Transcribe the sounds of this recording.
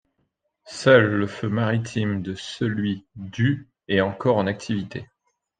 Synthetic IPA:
sœlːəfømaʁit̪ʰimd̪əsəlɥid̪y | ɛɑ̃kɔʁɑ̃nak̚t̪ʰivit̪e

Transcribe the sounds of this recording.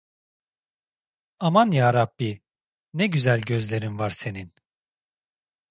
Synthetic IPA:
amanjaːɾabːi | nɛɟyzælʲɟøzlʲe̞ɾinvaɾse̞nin

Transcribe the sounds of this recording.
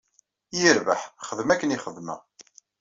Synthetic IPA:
jəɾvə̰ħχəðmækːəniχəðmə̰ʁ

